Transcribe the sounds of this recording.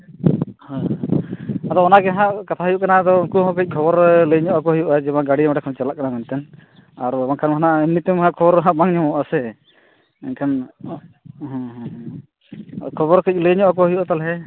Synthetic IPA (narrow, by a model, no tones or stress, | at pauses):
hã | ad̪ɔɔnaɡɛɦãʔkat̪ʰaɦjuʔkanad̪ɔkuɦɔ̃kəc̚ˀkʰɔbɔɾləɲɔʔak̬ɔɦəjuʔaɛd͡ʒɛbãɡaɽimaʈakʰɔnt͡ʃalaʔ̚kanakant̪ɛn | aɾbankʰanmɦanaʔimnit̪ɛmɦãʔkʰɔbɔɾɦãʔbaŋɲɔmɔʔasɛ | ɛ̰nkʰan | ɦɔ̃ɦɦ | kʰɔbɔɾkəc̚ˀləjɲɔʔak̬ɔɦəjuʔat̪alɦɛ